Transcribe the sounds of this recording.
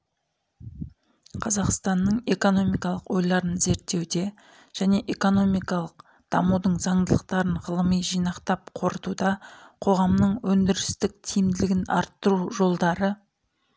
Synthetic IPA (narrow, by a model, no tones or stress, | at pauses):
qʰɑzɑqst̪ɑnːəɴe̞ko̞no̞mijkɑlˠəqwo̞jlˠɑɾənze̞ɾt̪ːe̞wd̪e̞ | ʒ̥æne̞ʔeko̞no̞mijkɑlˠəq | d̪̥ɑmud̪əɴzɑɴd̪əlˠəq̚t̪ɑɾəɴʁəlˠəmijʒijnɑqt̪ɑp̚qʰo̞ɾət̪ud̪ɑqʰo̞ʁɑmnəɴwɵnd̪ɪɾɪst̪ɪk̚t̪ʰijɪmd̪ɪlɪɡʲɪnɑ̰ɾt̪ːəɾuʒo̞lˠd̪ɑɾə